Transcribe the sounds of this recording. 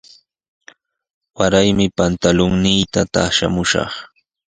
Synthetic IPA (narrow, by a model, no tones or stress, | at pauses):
waɾajmɪpant̪alʊŋnɪjt̪at̪aʃa̰mʊʃɑ̰χ